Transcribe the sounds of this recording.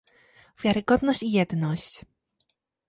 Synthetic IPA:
vʲjaɾɘɡɔd̪nɔɕt͡ɕijɛd̪nɔɕt͡ɕ

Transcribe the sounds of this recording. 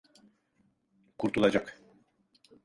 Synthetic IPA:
kʰuɾt̪ulˠad͡ʒak

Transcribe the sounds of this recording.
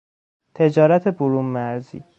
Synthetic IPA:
t̪ʰe̞d͡ʒɒːɾæt̪ʰe̞boɾuːmːæɾzḭː

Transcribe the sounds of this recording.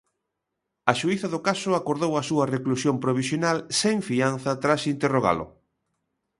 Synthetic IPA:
ɐʃuiθɐðʊkasʊakoɾðowɐsuɐreklusjompɾoβ̞isjonalseɱfian̟θɐt̪ɾasint̪eroɣa̰lʊ̰

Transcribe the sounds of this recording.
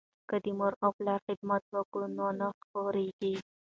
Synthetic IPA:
kəd̪imoɾoplɑɾxɪd̪mat̪wəkunonaxqoɾeɡi

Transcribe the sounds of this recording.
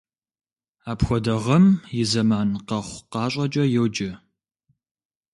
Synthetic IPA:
aːpxʷɔdɐʁɐmjɪzɐmaːnqɐχʷqɑːɕʼɐd͡ʒʼɐjɛwd͡ʒɪ

